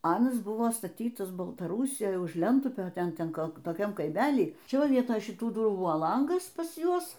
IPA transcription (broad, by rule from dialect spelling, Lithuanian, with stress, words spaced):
ˈɑːnɐs ˈbʊʋoː stɐˈtʲiːtɐs bɐlˠtɐˈruːsʲɪjoːj ʊʃ ˈlʲɛntʊpʲoː ˈtʲɛn ˈtʲɛn ˈkoːlˠ toːˈkʲɛm kɐɪˈmʲæːlʲiː ˈt͡ʃʲɛ ˈʋɐ ˈʋʲiɛtoːj ʃʲɪˈtuː ˈdʊruː ˈbʊʋoː ˈlˠɐŋɡɐs pɐs ˈjuɔs